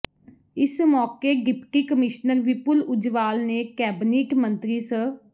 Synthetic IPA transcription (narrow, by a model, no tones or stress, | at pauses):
ɪsmɔːkeːɡɪpʈiːkəmɪʃnəɾʋɪpʊlʊd͡ʒʋaːlneːkɛːbniːkmənt̪ɾiːsə